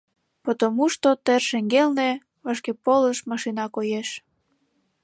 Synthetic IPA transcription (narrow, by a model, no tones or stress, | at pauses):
pot̪omuʃt̪ot̪erʃeŋɡelne | βɑʃkepoləʃmɑʃinɑkojeʃ